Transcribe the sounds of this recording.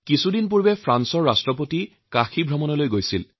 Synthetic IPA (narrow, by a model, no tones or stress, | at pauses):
kisudinp̬uɹbɛpʰɹansɔɹːastɹɔpoti | kaxibʱɹɔmɔnɔlojɡojsil